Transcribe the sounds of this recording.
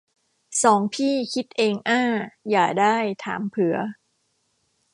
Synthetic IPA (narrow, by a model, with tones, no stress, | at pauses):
sɔː˩˦ŋpʰiː˥˩kʰi˦˥t̪̚ʔeː˧ŋʔaː˥˩jaː˨˩k̚daː˥˩jt̪ʰa̰ː˩˦mpʰɯ˨˩˦ɐ